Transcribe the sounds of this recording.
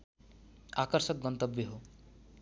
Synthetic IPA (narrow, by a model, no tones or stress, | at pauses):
akʌɾsʌk̚ɡʌnt̪ʌbjʌɦo